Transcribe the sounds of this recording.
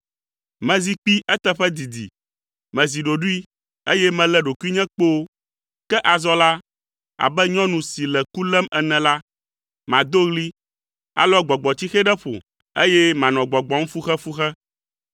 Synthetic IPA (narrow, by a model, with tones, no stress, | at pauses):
mɛ̃˨zi˦k͡pi˦ʔɛ˦t̪ɛ˦ɸɛ˦d̪i˨d̪ḭ˨ | mɛ̃˨zi˨ɖo˨ɖu˦i˦ | e˦jɛ˦mɛ̃˨lɛ˨ɖo˨ku˦i˦ɲɛ̃˦k͡po˦ | kɛ˦ʔa˨zɔ˦la˦ | a̰˨bɛ˦ɲɔ̃˦nũ˨si˨lɛ˨ku˦lɛ˦mɛ˨nɛ̃˨la˦ | mã˨d̪o˦ɣli˦ | a̰˨lɔ˦ɡ͡bɔ˨ɡ͡bɔ˨t̪i˦xɛ˦ɖɛ˦ɸo̰˨ | e˦jɛ˦mã˨nɔ̃˨ɡ͡bɔ˨ɡ͡bɔ˨ŋ̩̃˦fu˦xɛ˦fu˦xɛ˦